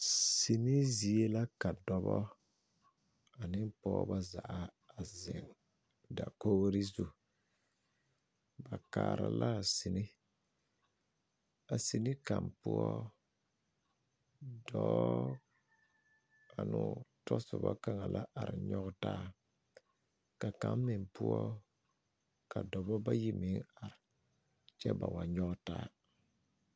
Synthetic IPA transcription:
si˨ni˦zi˨e˦la˦ka˨dɔ˨bɔ˦ | a˨nɪ˦m˦pɔː˦ba˦za˨ʔa˦ | a˨zɪ˨ŋ | da˨ko˦ɣɾi˦zu˨ | ba˨kaː˨ɾa̰˨la˦˨si˨ni˦ | a˨si˨ni˦ka˨mpʊ˦ɔ˦ | dɔː˦ | a˨nʊ˨tɔ˦sʊ˨ba˦ka˨ŋa˨lʔa˦ʔa˨ɾɪ˨ɲɔ˦ɣtaː˦ | ka˨ka˨˦mmɪ˨ŋpʊ˦ɔ˦ | ka˨dɔ˨bɔ˦ba˦ji˦mɪ˨˦ŋa˨ɾɪ˨ | t͡ʃɛ˦ba˨wa˨ɲɔ˦ɡtaː˦

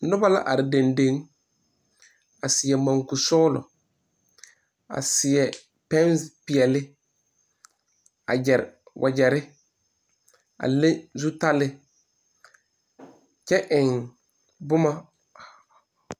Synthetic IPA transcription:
nʊ˦ba˦la̰˦ʔa˨ɾɪ˨de˨nde˦ŋ | a˨sɪ˨ɛ˨mã˨ŋku˨sɔ˦lʊ̰˨ | a̰˨sɪ˨ɛ˨ | pɛ̃˦n˦spɪ˨ɛ˨lɪ˦ | a̰˨d͡ʒɛ˨ɾwʔa˨d͡ʒɛ˨ɾɪ˦ | a̰˨le˦zu˦ta˦lɪ˦ | t͡ʃɛ˦ʔɪ̃˨ŋ | bʊ˦ma˦

